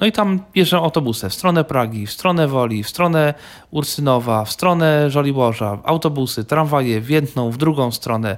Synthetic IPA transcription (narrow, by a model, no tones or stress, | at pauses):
nɔit̪amb̥ʲjɛʐɛw̃awt̪ɔbusɛfst̪ɾɔnɛpɾaɡʲifst̪ɾɔnɛvɔlʲifst̪ɾɔnɛ | uɾsɘnɔvafst̪ɾɔnɛʐɔlʲibɔʐa̰a̰wt̪ɔbusɘt̪ɾanvajɛvʲjɛd̪nɔ̃w̃vd̪ɾuɡɔ̃w̃st̪ɾɔnɛ